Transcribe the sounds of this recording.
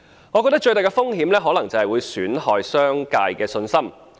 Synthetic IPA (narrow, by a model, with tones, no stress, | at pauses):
ŋɔ˨˧kɔː˧t̪ɐ˥k̚t͡ʃɵ˧ɥt̪aː˨kɛː˧fʊ˥ŋɦiː˨˥mlɛː˥ɦɔː˨˥lɐ˨˩ŋt͡sɐ˨˩hɐ˨jwu˨˧jsyː˨˥nhɔː˨jsœː˥ŋkaː˧jkɛː˧sɵ˧nsɐ˥m